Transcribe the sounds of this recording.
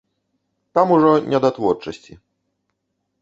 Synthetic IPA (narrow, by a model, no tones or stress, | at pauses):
t̪amuʐɔɲʲʔɛd̪at̪vɔɾt͡ʂɔɕt͡ɕi